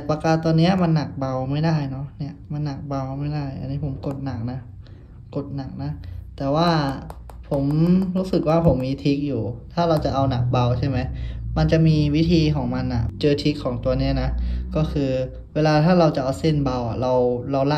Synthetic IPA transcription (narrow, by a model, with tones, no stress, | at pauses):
pa˧kaː˧˩t̪ːɔː˧nːi˦˥ɐma˧nːa˨˩k̚ba˧wma˥˩jdaː˥˩jnɔ˦˥ni˥˩ɐma˧nːa˨˩k̚ba˧wma˥˩jda˥˩jʔa̰˧nːiː˦˥pʰo˩˦mko˨˩t̪̚na˨˩k̚na˦˥ | ko˨˩t̪̚na˨˩k̚na˦˥t̪ɛː˨˩waː˥˩ | pʰo˩˦mɾuː˦˥sɯ˨˩k̚waː˥˩pʰo˩˦mːiː˧t̪ʰi˦˥k̚juː˨˩t̪ʰaː˥˩ɾa˧wt͡ɕa˨˩ʔa˧wna˨˩k̚ba˧wt͡ɕʰa˥˩jma˦˥jma˧nt͡ɕa˨˩ʔmiː˧wi˦˥t̪ʰiː˧kʰɔː˩˦ŋma˧nʔa̰˨˩t͡ɕɤː˧t̪ʰi˦˥kʰːɔː˩˦ŋt̪u˧ɐni˦˥ɐna˦˥kɔː˥˩kʰɯː˧ | weː˧laː˧t̪ʰaː˥˩ɾa˧wt͡ɕa˨˩ʔa˧wse˥˩nba˧wʔa̰˨˩ɾa˧wɾa˧wla˥˩